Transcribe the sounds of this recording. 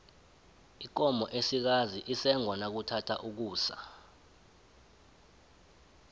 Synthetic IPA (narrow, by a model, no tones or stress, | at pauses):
ik̬ɔmɔʔesik̬aziʔisɛŋwanak̬utʰatʰa̰ʔuk̬uːsa̰